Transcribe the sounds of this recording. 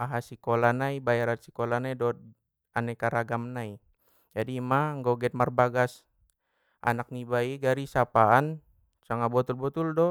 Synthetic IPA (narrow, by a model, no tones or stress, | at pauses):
aɦasikolanaibajaɾansi̥kolanaidɔt̪̚ | anɛkaɾaɡamnai | d͡ʒadimaŋɡɔɡɛt̪̚marbaɡas | ʔa̰nak̚nibaiɡaɾisapaan | saŋabɔt̪ulbɔt̪uldɔ